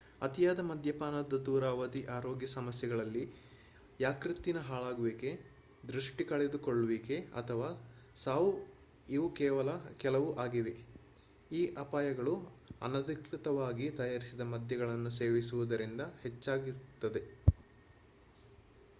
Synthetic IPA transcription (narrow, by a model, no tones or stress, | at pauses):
ɐt̪ijaːd̪ɐmɐd̪ʱjɐpaːnɐd̪ːɐd̪uːɾaːʋɐd̪iʔaːɾoːɡjɐsɐmɐsjɛɡɐɭɐlːi | jaːkɾit̪ːinɐɦaːɭaːɡuʋiːke̞ | d̪ɾuʂʈikɐɭed̪ukoɭːuʋiːke̞ɐ̰t̪ʰɐʋaːsaːʋu | iʋukɛːʋɐlɐkɛlɐʋuʔaːɡiʋe | iːʔɐpaːjɐɡɐɭuɐ̰nɐd̪ikɾit̪ɐʋaːɡit̪ɐjaːɾisid̪ɐmɐd̪ʱjɐɡɐɭɐnːuseːʋisuʋud̪ɐɾind̪ɐhet͡ʃːaːɡiɾut̪ːɐd̪e̞